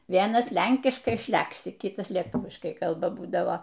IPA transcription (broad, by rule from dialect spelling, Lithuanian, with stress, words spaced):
ˈʋʲiɛnɐs ˈlʲɛŋʲkʲɪʃkɐɪ ˈʃʲlʲæksʲɪ ˈkʲɪtɐs lʲɛˈtuːʋʲɪʃkɐɪ ˈkɐlˠbɐ ˈbuːdɐʋoː